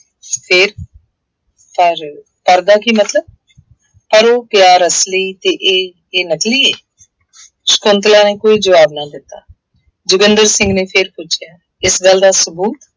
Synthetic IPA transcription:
pʰɪɾ | pəɾ | pəɾd̪aːkimət̪ləb̚ | pəɾoːpɪjaːɾəsliːt̪eːʔeː | eːnəkliːeː | skõnt̪lãːneːkoːiːd͡ʒəʋaːbnaːd̪ɪt̪ːaː | d͡ʒʊɡənd̪əɾsɪ̃ŋɡnẽːpʰɪɾpʊt͡ʃʰjaː | ɪsɡəld̪aːsʊbuːt̪

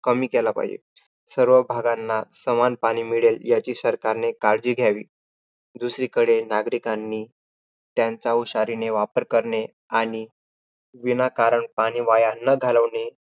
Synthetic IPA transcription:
kəmiːkɛlapa̰ɦid͡ʑḛ | səɾʋəbʱaɡanːasəmanpaɽ̃iːmiɭeljat͡ɕiːsəɾkaɾnekaɾd͡ʑiːɡʱjaʋḭː | d̪usɾiːkəɽenaɡɾikanːiː | t̪jãnt͡sauɕaɾineʋapəɾkəɾɳe | aɽ̃i | ʋinakaɾəɳpaɽ̃iːʋajanəɡʱaləʋɳe

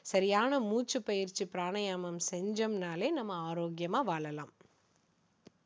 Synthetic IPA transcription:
sɐɾɪjaːnɐmuːt͡ʃːɯpɐjɪɾt͡ʃipɪɾaːɳɐjaːmɐmsɛɲd͡ʒɐmnaːleːnɐmːɐaːɾoːɡjɐmaːʋaːɭɐlã̰ːm

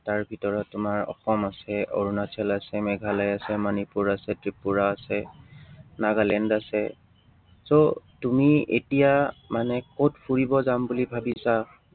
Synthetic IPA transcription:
taɹbʱitɔɹɔtːʊmaɹɔ̰xɔmasɛo̰ɹunatʰɛlasɛmɛɡʱalajasɛmanipuɹasɛtɹipuɹaːsɛ | naɡalɛndasɛ | sotumiḛtijamanɛkotpʰuɹibɔzambulibʱabisa

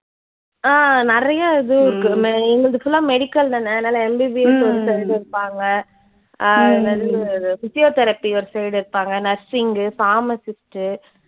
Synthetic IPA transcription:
aːnɪɾɐjaɪðɯɾkːɯmɛŋɡɐɭɯðɯfʊlːãːmɛɽɪkːɐlnɐnːɐɐnːaːlɐɛmbibieɔɾɯsɛjɽɪɾɯpːaːŋɡɐ | nɐlːɾɯfɪsɪjoːt̪ɛɾɐpːiɔɾɯsɛɪɽɪɾɯpːaːŋɡɐnɐɾsɪŋɡɯfaːmɐsɪsʈɯ

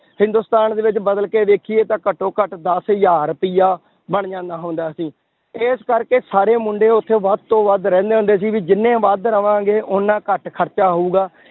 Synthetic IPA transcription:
hɪ̃nd̪uːst̪aːnd̪eːʋɪt͡ʃbəd̪əlkeːd̪eːkʰieːt̪ãːkəʈːõːkəʈd̪əsjaːɾpiːjaː | bəɳ̃d͡ʒãːnd̪aːɦʊʊ̃nd̪aːsĩː | eːskəɾkeːsaːɾeːmʊɳɖeːʊt̪ʰːeːʋəd̪̚t̪õːʋəd̪ɾɛ̃ːnd̪eːɦʊ̃nd̪eːs̬iːʋiːd͡ʒɪnːẽːʋəd̪ɾəʋãːɡeːʔonːãːkəʈkʰəɾt͡ʃaːɦouːɡaː

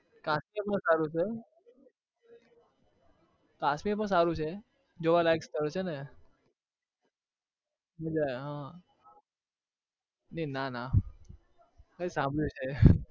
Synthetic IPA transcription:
kãsmiepəɳsaɾũt͡ʃʰe | kãsmiep̬əɳs̬aɾũt͡ʃʰe | d͡ʒoʋalajkst̪əɾt͡ʃʰene | ɦəd͡ʒaɦã | nenana | kəsãmbʱɭjũt͡ʃʰe

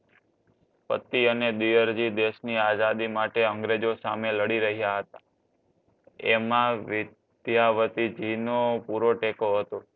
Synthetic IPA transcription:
pə̰t̪ːiəned̪ijəɾd͡ʒid̪eʃniazad̪imaʈeəŋɡɾed͡ʒosameləɽiɾəɦijaɦət̪a | emãʋɪ | d̪̥jaʋət̪id͡ʒinopuɾoʈekoɦət̪o

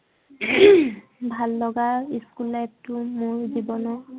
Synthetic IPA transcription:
bʱalːɔɡaɹiskulːajp̚tʊmoɹzibɔnɔ

